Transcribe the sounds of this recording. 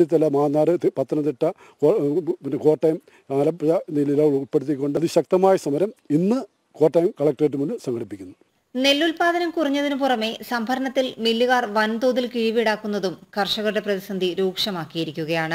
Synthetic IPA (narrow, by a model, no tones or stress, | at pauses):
it̪ːɐlːɐmaːnːaːɾɨpɐt̪ːɐnɐnt̪iʈːɐ | kopinkoːʈːɐjm | aːlɐpɐɐnililaːʋiɭupːeɽut̪̬ːikʲːo̞ɳɖɨɐðɨɕɐk̚t̪ɐmaːjɐsɐmɐɾɐminːɨ | koːʈːɐjmkɐɭɐk̚ʈreʈːɨmunɖɨsɐŋɡʰɐɽipːikʲːunːɐ | ne̞lːulpaːd̪ɐnɐmkuriɲːɐðinɨpurɐme̞sɐmbʱɐɾɐɳɐt̪ːilmilːuɣaːrʋɐnt̪oːðilkiɻiʋiɽaːkːunːɐðumkʰɐrʂɐɣɐʈːɐprɐðisɐnd̪ʱiɾuːkʂɐmaːkːijiɾikʲːuɣɐjaːɳɨ